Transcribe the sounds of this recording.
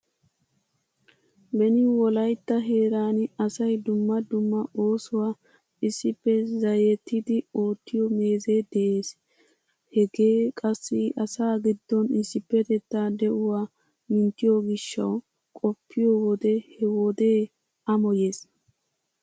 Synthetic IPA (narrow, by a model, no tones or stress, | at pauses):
bɛnɪwɔlɐjt̪ːɐɦe̞ːɾaːnɐsɐjd̪ʊmːɐd̪ʊmːɐʔoːsʊwaː | ɪsːɪpːɛzɐjɛt̪ːɪd̪ɪo̞ːt̪ːɪjɔme̞ːzeːd̪ɛʔe̞ːs | hɛɡe̞ːkʼɐsːɪʔɐsaːɡɪd̪ːɔnɪsːɪpːɛt̪ɛt̪ːaːd̪ɛʔʊwaː | mɪnt̪ːɪjɔɡɪʃːɐ̰w | kʼɔpʰːɪjɔwɔd̪ɛhɛwɔd̪e̞ː | ɐmɔje̞ːs